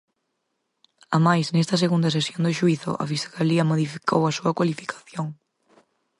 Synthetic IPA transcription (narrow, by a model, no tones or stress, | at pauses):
amajsnest̪ɐseɣund̪ɐs̬esjond̪ʊʃuiθʊ̰ʔa̰fisɣaliɐmoðifi̥kʰowɐsuɐkwalifi̥kʰḁθjoŋ